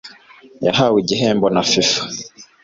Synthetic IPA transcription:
ja̰ɦawiɟiɦeːmbonafifḁ

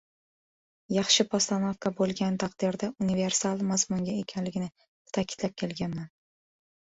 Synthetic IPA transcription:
jɑχʃɪpʰɒst̪anofkʰabolˠɡʲant̪ʰaqd̪ɪɾd̪aʔʊnive̞ɾsalˠmazmʊŋɡʲae̞kʲʰanlɪɡʲɪnɪ | t̪ʰakʲʰɪ̥d̪̥lap̚kʲʰe̞lɡʲanman

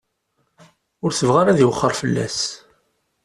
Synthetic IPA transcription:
ʊɾθəvʁaɾaðiwəχːəɾˤfəlːæ̰s

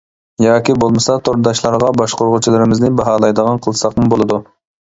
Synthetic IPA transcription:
jɑːkʲibolˠmɨsɑt̪ʰoɾd̪ɑʃlˠɑɾʁɑbɑʃqoɾʁʊt͡ʃʰilˠɨɾɪmɪznɪbɑɦɑːlˠɑjd̪əʁɑnqʰəlˠsɑqmʊbolˠɨd̪u

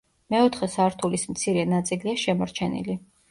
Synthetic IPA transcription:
mɛɔt̪ʰχɛsaɾt̪ʰulismt̪sʰiɾɛnat̪sʼiliaʃɛmɔɾt͡ʃʰɛnḭli

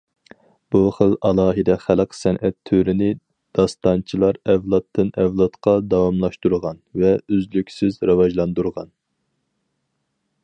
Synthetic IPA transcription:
b̥uχəlˠɑlˠɑːɦɨd̪ɛχælˠqʰsɛnʔɛt̪ʰːøɾɪnɪ | d̪̥ɑst̪ɑnt͡ʃʰilˠɑɾɛvlˠɑt̪ʰːɨnɛvlˠɑt̪qʰɑd̪ɑwɑmlˠɑʃt̪uɾʁɑnvɛøzlykʲsɪzɾɑwɑʒlˠɑnd̪uɾʁɑn

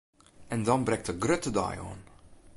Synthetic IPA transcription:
ɛndɑnbrɛŋ̚ktəɡrøtədɑ̰jɔ̰ːn

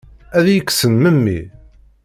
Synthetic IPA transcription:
æðjəkːsənməmːḭ

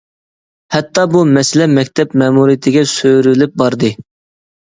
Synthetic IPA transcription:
hɛt̪ʰːɑbumɛsɪlɛmɛkʲt̪ʰɛpmɛmuɾijɪt̪ʰɪɡʲɛsøɾylɪp̚bɑɾd̪ɨ

